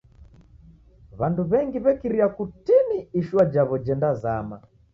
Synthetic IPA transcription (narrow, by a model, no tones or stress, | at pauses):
βanduβɛŋɡiβɛkiɾiakutiniiʃuwad͡ʒaβɔd͡ʒɛndazama